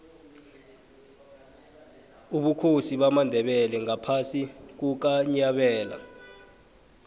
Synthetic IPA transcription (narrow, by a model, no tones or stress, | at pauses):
uɓukʰosiɓamandʱɛɓɛlɛŋapʰasik̬uk̬aɲaɓɛːla̰